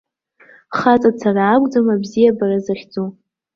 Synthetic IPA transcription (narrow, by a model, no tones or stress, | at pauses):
χat͡sʼat͡sʰaraːkʷʼd͡zamabzijabarazaχʲd͡zo